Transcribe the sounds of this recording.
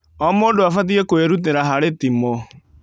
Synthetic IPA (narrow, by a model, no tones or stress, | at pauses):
ɔmoːdoafat̬iekoeɾut̬eɾaɦaɾetimo